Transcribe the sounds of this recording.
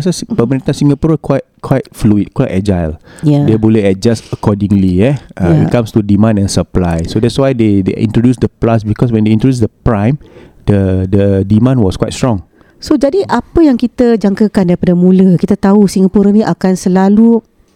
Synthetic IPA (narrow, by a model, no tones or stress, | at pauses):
asaspəməɾint̪ãnsĩŋɡapuɾəkwajt̚kʰwajt̚fluit̚kwajtɛd͡ʒajljadeboleɛt̚d͡ʒastəkɔdĩŋliɛʔaikãmstudimãnɛ̃nsəplajsodɛt̚swajdedḛʔḭ̃ntɹodusdəplasbikɔswɛ̃ndeĩntojus̬dəpɹãjm | dədədimãnwɔskwa̰jt̚stɹɔ̃ŋ | sod͡ʒadiʔapəjaŋkit̪əd͡ʒaŋkəkandaɾipadəmũləkit̪at̪ausiŋɡapuɾənĩʔakansəlalu